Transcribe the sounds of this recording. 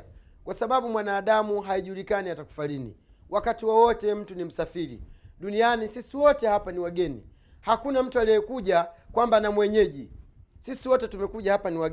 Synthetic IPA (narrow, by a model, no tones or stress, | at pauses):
kwasaɓaɓumwanaːɗamuɦaiʄuːlikaniataku̥falinḭ | wʔakatiwawɔtɛm̩tunim̩safiɾḭɗunianisisiwɔtɛhapaniwaɡɛnḭ | hakunam̩tualɛɛkuʄakwambanamwɛɲɛʄisisiwɔtɛtumɛkuʄahapaniwa